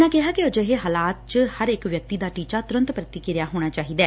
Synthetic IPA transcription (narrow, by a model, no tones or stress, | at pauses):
ãːkɪɦaːkɪod͡ʒeɦeːɦaːlaːt̪̚t͡ʃhəɾɪkʋjək̚t̪iːd̪aːʈiːt͡ʃaːt̪ʊɾə̃nt̪pɾət̪iːkɪɾɪjaːɦoːɽ̃aːt͡ʃaːɦiːd̪ɛː